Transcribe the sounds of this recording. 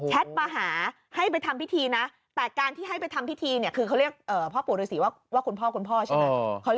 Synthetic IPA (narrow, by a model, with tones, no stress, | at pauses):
t͡ɕʰɛ˦˥t̪̚paː˧ɦaː˩˦ | ha˥˩jp̬a˧jt̪ʰa˧mpi˦˥t̪ʰiː˧na˦˥ | t̪ɛː˨˩kaː˧nt̪ʰiː˥˩ɦa˥˩jp̬a˧jt̪ʰa˧mpʰi˦˥t̪ʰiː˧ni˥˩ɐkʰɯː˧kʰa˥wɾi˥˩ək̚ʔɤː˨˩pʰɔː˥˩pu˨˩˦t̚ɾːsiː˩˦waː˥˩waː˥˩kʰu˧npʰɔː˥˩kʰu˧npʰɔː˥˩t͡ɕʰma˧˦˧kʰa˦˥w